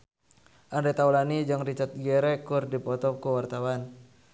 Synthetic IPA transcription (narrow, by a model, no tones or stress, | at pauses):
ʔandet̪aulanid͡ʒaŋrit͡ʃat̪̚ɡɛɾɛkurdipɔt̪ɔp̚kuwart̪awan